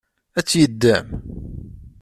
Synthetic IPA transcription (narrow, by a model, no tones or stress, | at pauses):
æt͡sːjəd̪ːæm